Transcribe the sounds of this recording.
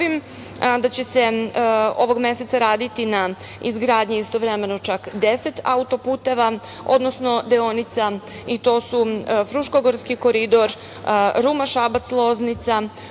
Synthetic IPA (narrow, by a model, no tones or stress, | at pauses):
im | d̪at͡ɕese̞ | o̞ʋo̞ɡme̞se̞t̪saɾaːd̪it̪ina | ḭzɡɾaːd̪ɲiist̪o̞ʋɾeme̞not͡ʃakd̪ese̞t̪a̰ut̪o̞puːt̪eʋa | o̞̰d̪no̞sno̞d̪eonit̪sait̪o̞ːsufɾuʃkoɡoɾskiko̞ɾid̪o̞ɾ | ɾumaʃabat̪slˠo̞znit̪sa